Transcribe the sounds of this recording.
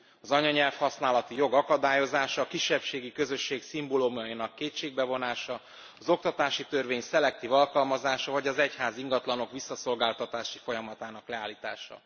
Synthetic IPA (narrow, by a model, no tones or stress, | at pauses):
ɒzɒɲɒɲɛlfhɒsnaːlɒt̪ijo̞ɡɒkɒd̪aːjo̞zaːʃɒːkiʃːɛpʃeːɡikø̞zø̞ʃːeːksimbolomjɒinɒkːeːtt͡ʃeːɡ̚bɛvo̞naːʃɒː | zo̞k̚t̪ɒt̪aːʃit̪ø̞rveːɲsɛlɛk̚t̪iːvɒlkɒlmɒzaːʃɒvɒɟɒzɛchaːziŋɡɒt̪lɒno̞kʋisːɒso̞lɡaːlt̪ɒt̪aːʃifo̞jɒmɒt̪aːnɒklɛaːlːiːt̪a̰ːʃɒ̰